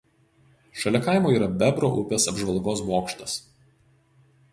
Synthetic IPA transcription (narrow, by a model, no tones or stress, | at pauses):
ʃɐlʲɛkɐˑɪmoːiːɾɐbʲɛbɾo̰ʔʊpʲeːsɐbʒʋɐlˠɡoːsmoːkʃt̪ɐs